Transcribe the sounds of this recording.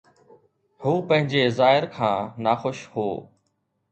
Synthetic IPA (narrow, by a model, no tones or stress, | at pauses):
huːpɐ̃ɦɪ̃ɲd͡ʑeːzaːɦɪɾkʰãːnaːxʊʃhoː